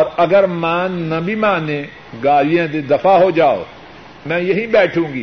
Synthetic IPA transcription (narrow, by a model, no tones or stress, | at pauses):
ɔːɾɐɡəɾmãːnɐbʱimãːnẽ | ɡaːlijãd̪ed̪ɐfʰaɦod͡ʒaːo̰ː | mɛ̃ːjɐɦĩbɛːʈʰũːɡiː